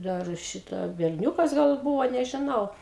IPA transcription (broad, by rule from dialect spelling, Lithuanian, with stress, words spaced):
dɐr ˈʃʲɪtɑː bʲɛrʲˈnʲuːkɐs ɡɐlˠ ˈbuːʋoː nʲɛʒʲɪˈnɐʊ